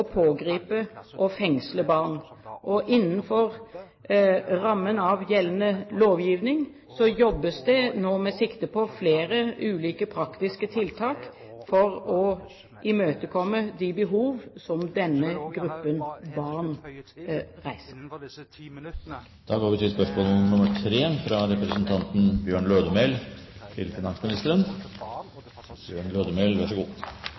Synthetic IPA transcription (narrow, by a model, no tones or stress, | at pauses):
ɔpʰoːɡɾiːpəʔɔfɛŋsləbɑʁnʔɔʔɪnːən̩fɔʁ | ɾɑmːənɑʋjɛlnəloːʋjiːʋnɪŋ | sɔjɔbːəsd̪ɛnoːmɛsɪkt̪əpʰɔfleːɾəʔʉːliːkəpʰɾɑkt̪ɪskət̪ʰɪlt̪ʰɑːk | fɔʁɔ | ʔɪmøːt̪əkʰɔmːəd̪ɪbəɦuːʋsɔmd̪ɛnːəɡɾʉpːənbɑʁn | ʁæɪsəʁ | d̪̥ɑːɡoːɾʋɪt̪ʰiːspœʂmoːlənʊməɾtʰɾeːfɾɑɾɛpɾəsənt̪ʰɑnt̪n̩bjøːɳløːd̪əmeɪlt̪ʰɪlfɪnɑnsmɪnɪst̪əɾən | b̥jøːɳløːd̪əmeɪlʋæʂɔɡuː